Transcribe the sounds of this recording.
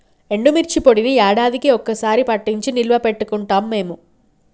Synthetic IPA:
e̞ɳɖumirt͡ɕːipːoɽinɨjaːɽaːðikʲːɨokːɐsaːɾipɐʈːiɲt͡ɕɨnilʋɐpːeʈːukːuɳʈɐmːemːu

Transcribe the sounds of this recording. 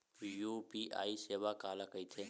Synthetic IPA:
jupiːʔa̰ːiseːʋakaːlakəit̪ʰe

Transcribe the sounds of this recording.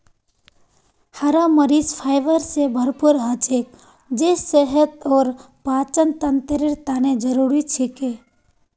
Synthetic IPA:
haɾaməɾizpʰaːjʋəɾsebʱəɾpuɾɦat͡ʃek̚ | d͡ʒeseɦət̪ɔːɾ | paːt͡ʃənt̪ənt̪əɾeɾt̪aːned͡ʒəɾuɾit͡ʃʰike

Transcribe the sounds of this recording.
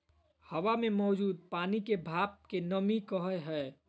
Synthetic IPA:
həwamẽmɔːd͡ʒuːd̪̚paːnikebʱaːp̚kenəmikəɦəeɦɛː

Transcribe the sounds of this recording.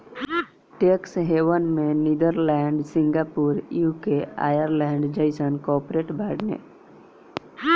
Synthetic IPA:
ʈeksɦeːʋənmẽnid̪əɾlɛːɳɖsɪ̃ŋɡaːpuːɾjukea̰ːjəɾlɛ̃ːɳɖd͡ʒəɪsənkɔːpɾeʈbʱaːɽnḛ

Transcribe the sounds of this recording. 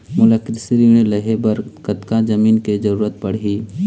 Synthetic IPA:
mʊləkɪd̪sɪɾiːɽ̃elɐɦebɐɾkət̪kad͡ʒɐmiːnked͡ʒɐɾuːɾət̪̚pɐɽ̤iː

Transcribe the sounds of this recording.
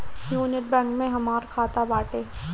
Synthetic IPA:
juːnɪʈ̚bɛ̃ŋkmẽɦɐmaːɾkʰaːt̪abaːʈeː

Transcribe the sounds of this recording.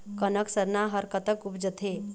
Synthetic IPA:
kənəksəɾnaɦəɾkət̪əkupd͡ʒət̪ʰɦe

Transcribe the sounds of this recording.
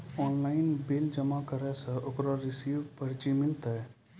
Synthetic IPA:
ɔːnlaːɪnbɪld͡ʒəmakəɾɛsə̃okɾoɾɪsiːʋpəɾt͡ʃimɪlt̪aɛ

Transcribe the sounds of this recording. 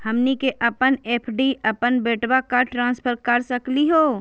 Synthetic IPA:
hɐmnikeʔɐpəneːpʰɖiʔəpənbeːʈwakaʈɾãːnspʰəɾkəɾsəkliɦoː

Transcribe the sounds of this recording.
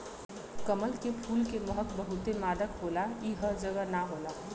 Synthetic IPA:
kəməlkepʰuːlkeməɦək̪bəɦʊt̪emaːd̪əkɦoːlaiɦəd͡ʒəɡənaɦoːlaː

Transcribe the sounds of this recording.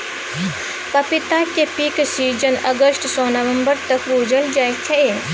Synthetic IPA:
pɐpit̪akepiːksiːd͡ʒənɐɡəsʈsoːnɐʋəmbəɾt̪ɐkbuːd͡ʒəld͡ʒajk̪ʰee

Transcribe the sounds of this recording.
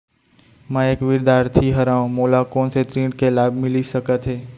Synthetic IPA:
mɛ̃eːkʋɪɾd̪aːɾt̪ʰiɦəɾãːõmoːlakɔːnseʈ̪ɾẽːɳɖkelaːbʱmɪlisəkət̪ɦeː

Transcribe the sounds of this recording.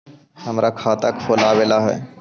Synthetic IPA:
hɐmɾakʰaːt̪əkfʰoːlaːʋelaɦɛ̰ː

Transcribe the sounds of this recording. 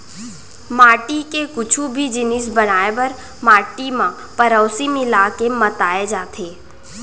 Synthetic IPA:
maːʈikekʊt͡ʃʰubʱid͡ʒɪnɪsbənaːebɐɾ | maːʈimã | pəɾɔːʊsimɪlaːkemət̪aːed͡ʒaːt̪ʰeː

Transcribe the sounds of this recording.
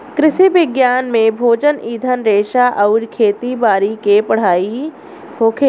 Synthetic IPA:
kɾɪʃiʋɪɡjaːnmẽbʱoːd͡ʒəniːd̪ʱənɾeːʃaʔɐʊɾkʰeːt̪ibaːɾikepɐɽ̤aːi | hoːkʰeː

